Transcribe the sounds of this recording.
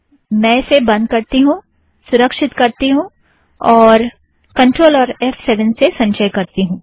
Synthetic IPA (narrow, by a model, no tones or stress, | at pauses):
mɛ̃ːɪsebɐ̃nd̪̚kɐɾt̪iɦũː | sʊɾəkʃɪt̪kɐɾt̪iɦũ | ɔːɾ | kɐ̃ɳʈɾoːlɔːɾɛːfsɛːʋənsesɐ̃ɲʃəjkɐɾt̪iɦũː